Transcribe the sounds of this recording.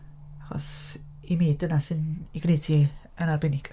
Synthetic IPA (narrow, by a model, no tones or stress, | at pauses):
aχɔ̰s | imeːdənasɨniɡnejtʰi | ənarbɛnɪɡ